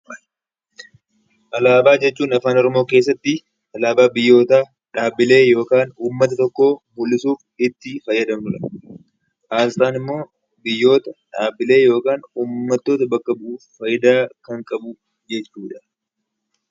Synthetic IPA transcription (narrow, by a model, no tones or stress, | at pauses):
ʔɐlaːbaːd͡ʒɛt͡ʃːuːnɐfaːnɔɾɔmo̞ːke̞ːs̬ːɐt̪ːɪ | ɐlaːbaːbɪjːo̞ːt̪aː | ᶑaːbːɪle̞ːjo̞ːkaːnuːmːɐt̪ɐt̪ɔkːo̞ːmʊlːɪsuːfɪt̪ːɪfɐjːɐd̪ɐmnʊᶑɐ | ʔaːst̪aːnɪmːo̞ː | bɪjːo̞ːt̪ɐᶑaːbːɪle̞ːjo̞ːkaːnuːmːɐt̪ːo̞ːt̪ɐbɐkːɐbʊʔuːfːɐjːɪd̪aːkɐŋkʼɐbʊ | d͡ʒɛt͡ʃːuːᶑɐ̥